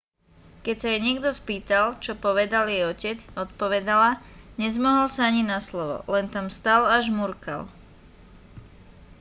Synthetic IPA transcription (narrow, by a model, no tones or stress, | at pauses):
kɛcsajɛɲɪɛɡd̪ɔspiːt̪alt͡ʃɔpɔʋɛd̪aljɛjɔcɛd͡zɔt̪pɔʋɛd̪alaɲɛzmɔɦɔlsaaɲinaslɔʋɔ̰lɛnt̪amst̪alaʒmuɾka̰l